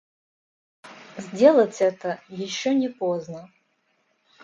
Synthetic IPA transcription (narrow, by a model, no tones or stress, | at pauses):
zʲdʲelˠətʲɛt̪əjɪɕːonʲɪpoznə